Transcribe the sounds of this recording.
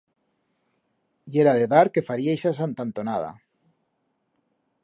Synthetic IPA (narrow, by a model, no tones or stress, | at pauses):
jeɾaðeðaɾkefaɾiajʃas̬ant̪ant̪onaða̰